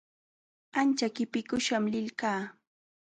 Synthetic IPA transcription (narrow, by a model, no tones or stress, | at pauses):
ant͡ʃakɪpɪkʊʃamlɪlkaː